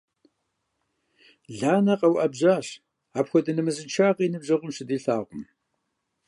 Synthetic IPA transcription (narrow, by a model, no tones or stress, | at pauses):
ɮaːnɐqɐwʔɐbʑaːɕ | aːpxʷɔdɐnɨmɨzɨnt͡ʃʰaːʁiːnɨbʑɐʁʷʊmɕɨdiːɬaːʁʷʊm